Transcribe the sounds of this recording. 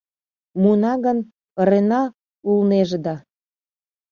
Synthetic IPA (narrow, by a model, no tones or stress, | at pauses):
munɑɣən | əɾenɑ | ulneʒəd̪ɑ